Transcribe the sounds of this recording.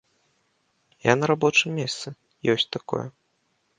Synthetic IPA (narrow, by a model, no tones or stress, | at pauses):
janɐɾabɔt͡ʂɨmmʲest̪sɨ | jɔsʲt͡sʲt̪akɔ̰jɛ̰